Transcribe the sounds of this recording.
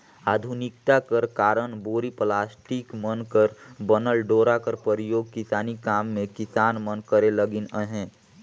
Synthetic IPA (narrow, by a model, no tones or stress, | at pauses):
aːd̪ʱunɪkt̪akəɾkaːɾənboːɾiplaːsʈɪkmənkəɾbənəlɖoːɾakəɾpəɾijoːɡ̚kɪsaːnikaːmːẽkɪsaːnmənkəɾeləɡɪnəɦɛ̃ː